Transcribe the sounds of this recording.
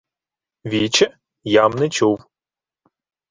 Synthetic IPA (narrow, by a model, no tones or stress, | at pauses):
ʋʲit͡ʃɛ | jamnɛt͡ʃuw